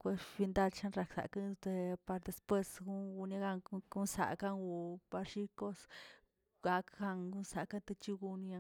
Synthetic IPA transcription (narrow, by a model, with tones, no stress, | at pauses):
kʷe˧bi˧nd̪a˦lt͡ʃa˦nɾa˨ksa̰˨ka˦˧t̪e˧pa˧ɾd̪e˨spwe˦sɡu˦ŋɡu˧nja˧˦ɡa˧ŋɡu˦nsa̰˨ka˦ŋɡu˧pa˧ɾʃi˦ko˦s | ɡa˧kɡa˧ŋɡu˦nsa˨ka˦nt̪e˧t͡ʃi˦ɡu˧ni˧a˧